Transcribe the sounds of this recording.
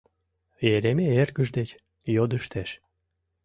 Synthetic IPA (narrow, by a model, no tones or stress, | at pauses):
jeɾemeerɣəʒd̪et͡ɕ | jod̪əʃt̪ʰeʃ